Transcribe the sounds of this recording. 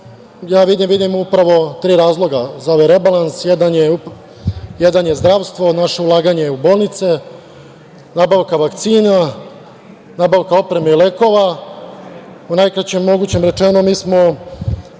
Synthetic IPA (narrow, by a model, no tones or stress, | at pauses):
jaːʋid̪imʋid̪imupɾaʋo̞t̪ɾiːɾaːzlˠo̞ɡazaoʋeɾe̞balansjed̪anjeu | jed̪anjezd̪ɾaʋst̪ʋo̞naʃe̞ulˠaːɡaɲeuboːlˠnit̪se̞ | naːbaʋkaʋakt̪siːna | naːbaʋkao̞pɾe̞meile̞ko̞ʋa | unajkɾat͡ɕemːo̞ɡuːt͡ɕemɾe̞t͡ʃenomiːsmo̞